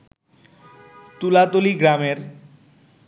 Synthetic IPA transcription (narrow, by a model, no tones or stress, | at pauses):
t̪ulat̪oliɡɾameɾ